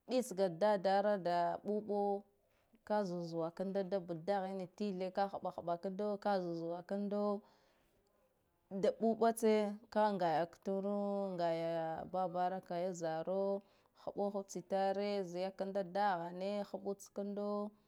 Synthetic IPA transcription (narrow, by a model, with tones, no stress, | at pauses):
ɓi˦t͡sɡa˨da˦da˦ɾa˦da˨ɓu˦ɓo˦ | ka˦zu˨zu˨wa˨ka˦ndo˦da˦bu˨da˦ɣi˦ni˨ti˦ɮe˦ka˦xa˨ɓa˨xa˨ɓa˨ka˦ndo˦ka˦zu˨zu˨wa˨ka˦ndo˦ | da˨ɓu˦ɓa˦t͡se˦ka˦ŋɡa˨ja˨ktu˦ɾu˦ŋɡa˨ja˨ba˦ba˦ɾa˦ka˨ja˦za˨ɾo˦ | xa̰˨ɓo˦xu˦t͡si˨ta˦ɾe˦zi˨ja˦ka˦nda˦da˦ɣa˨ne˦xa˨ɓu˦t͡ska˦ndo˦